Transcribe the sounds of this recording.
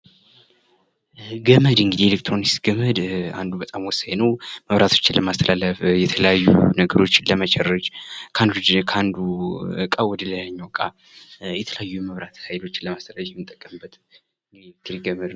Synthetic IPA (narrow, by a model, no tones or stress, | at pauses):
ɡəməd̪ɨŋɡɨd̪ielek̚t̪ʰɾo̞nist̪ɡ̥əməd̪a̰nd̪ubət̪ʼamwɔsajnəwməβɾʔat̪ʰo̞̥t͡ʃːɪnləmast̪ʰəlaləfjɛt̪ʰələjajːṵnəɡəɾo̞t͡ʃːləmət͡ʃʰʼɛrːət͡ʃkʰand̪ukʰand̪ukʼawɔd̪ələləɲːawkʼa | jɛt̪ʰələjajːuməβɾat̪hajlo̞t͡ʃːɪnləmast̪ʰəlaləfmɨt̪ʼːəkʼːəmbːət̪ | ŋɡ̪ik̪ʰɨɾiɡəməd̪